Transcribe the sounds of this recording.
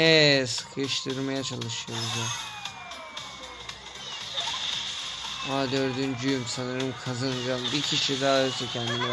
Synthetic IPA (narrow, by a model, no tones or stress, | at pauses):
ɛsɯ̥kʰɯʃt̪ʰɯɾmajat͡ʃʰalˠɯʃɯjo̞ɾuza | oad̪øɾd̪ynd͡ʒyjymsanɯɾɯmkʰazanɯd͡ʒambicʰiʃid̪aːølʲsɛcʰɛnd̪imi